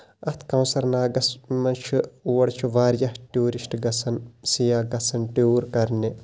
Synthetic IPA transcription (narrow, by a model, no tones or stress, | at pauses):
ɐt̪ʰkɐwnsɐɾnaːɡɐsmɐnt͡ʃʰuuwɐɽt͡ʃʰuʋaːɾjɐhʈuːɾisʈɡɐsʰɐnsijaːɡɐsɐnʈuːɾkɐɾne